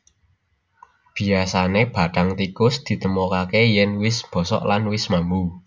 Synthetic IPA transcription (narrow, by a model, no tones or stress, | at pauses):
b̥i̤asaneb̥a̤d̥aŋt̪ikʊsd̪̥i̤t̪əmokakejɛnwɪsb̥ɔ̤sɔ̰ʔlanwɪsmambu